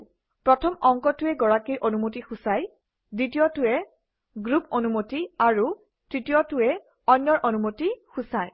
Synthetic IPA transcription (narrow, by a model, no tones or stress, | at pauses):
pɹɔtʰɔmɔŋkɔtʊɛɡɔɹakijʔonumotixusaj | ditijɔtʊɛ | ɡɹuponumotiaɹu | tɹitijɔtʊɛ | ɔjnːɔɹʔonumotixusaj